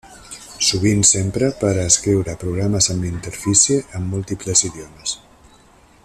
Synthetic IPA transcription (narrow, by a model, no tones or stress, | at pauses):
suβ̞insempɾəpəɾəːskɾiwɾəpɾuɣ̞ɾaməzəmint̪əɾfisieʔəmːulˠt̪ipləziðjɔməs